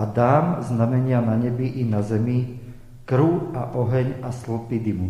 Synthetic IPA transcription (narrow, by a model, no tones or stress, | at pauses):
ad̪aːmznamɛɲɪanaɲɛbiʔinazɛmi | kɾuaʔɔɦɛɲasl̩pid̪imu